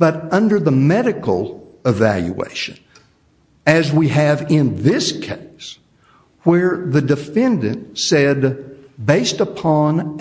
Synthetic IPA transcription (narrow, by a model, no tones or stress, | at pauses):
b̥ʌɾʌ̃ndə˞ðəmɛɾɨkl̩ˠɨvæ̰lˠjṵḛɪʃɨ̃n | ɨzwiɨvɪ̃nðɪskʰeɪs | wə˞ðɨdɨfɛ̃ndɨ̰̃nsɛd̚beɪstəpʰɑ̃n